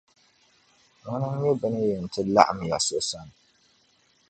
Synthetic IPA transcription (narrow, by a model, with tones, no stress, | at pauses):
ŋʊ˦nɨ˦m˦ɛ˦bɨ˨nɨ˦jɛ˨n̩˨tʰɨ˦la̰˦ʔa˨m˨ja̰˨so˦ʔsa˦n˨